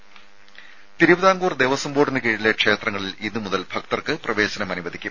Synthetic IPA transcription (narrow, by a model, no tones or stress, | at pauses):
t̪iɾubɐðaːŋɡuːrd̪ejʋɐsɐmboːɽɐnɨkiːɻilekʂe̞ːt̪rɐŋːɐɭilinːɨmuðɐlbʱɐk̚t̪ɐrkɨprɐʋe̞ːɕɐnɐmɐnuʋɐd̪ʱikʲːum